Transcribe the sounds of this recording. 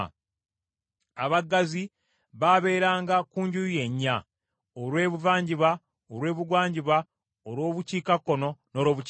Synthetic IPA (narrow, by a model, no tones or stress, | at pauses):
aβaɡazi | βaβe̞ːɾaːŋɡakuːɲɟuje̞ɲːa | oɾwe̞ːβuvaːɲɟiβa | oɾwe̞ːβuɡwaːɲɟiβa | oɾwo̞ːβuciːkakːo̞no̞no̞ːɾo̞ːβu